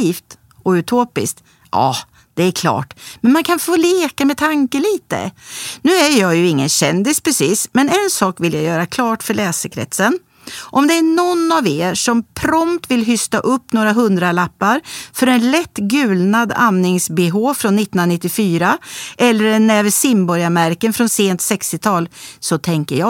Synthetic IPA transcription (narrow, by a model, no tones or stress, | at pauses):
iːft̪ | ɔʉt̪ʰoːpɪ̰sk̚t̪ | ʔɑ̰ː | d̪̥ɛæɾkʰlɑ̰ːʈmɛnmankʰanfoːleːkamɛt̪ʰaŋkəliːt̪ə̰nʉ̟ːæɾjɑjɵɪŋːənɕɛnd̪ɪspʰɾɛsiːsmɛnɛnsɑːkvɪljajœːɾakʰlɑːʈfœɭɛːsəkʰɾɛ̰t̪sən | ʔɔmd̪ɛːɳɔnaveːʂɔmpʰɾɔmt̪vɪlɦʏst̪aʔɵpːnoːɾaɦɵnd̪ɾalapːaɾfœɾɛnlɛt̪ːɡʉ̟ːlnad̪a̰nːɪŋsbɪɦoːvfɾɔnːɪt̪ːnanɪt̪ːɪfyːɾaʔɛlːəɾɛnɛːvəsɪmbɔɾjamæɾkənfɾɔnseːnt̪sɛkst̪ɪt̪ʰɑːlsɔt̪ʰɛŋkəɾjɑ